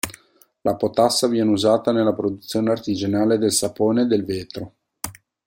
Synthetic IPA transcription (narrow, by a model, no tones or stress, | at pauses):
lapot̪asːavjɛːneuzaːt̪anelːapɾod̪ut̪sjoːneart̪id͡ʒanaːled̪elsapoːned̪elveːt̪ɾo